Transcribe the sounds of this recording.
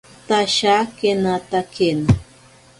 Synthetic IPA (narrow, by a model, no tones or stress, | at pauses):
t̪aʃakenat̪aken